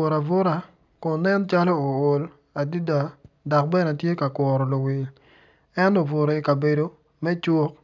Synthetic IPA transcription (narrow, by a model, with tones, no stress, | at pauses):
o˨ɾa˨vo˦ɾa˨ | kɔ˨nɛ˦nt͡ʃa˦lɔ˦o˨ʊ˨l | a˨di˦da˨ | dɔ˨k̚bɛ˦na˨tje˦ka˨kwɔ˨ɾɔ˨lo˨wɪ˨l | ɛ˦ntɔ˨vo˨ɾo˨i˨ka˨be˨do˨ | mɛ˦t͡ʃo˦k̚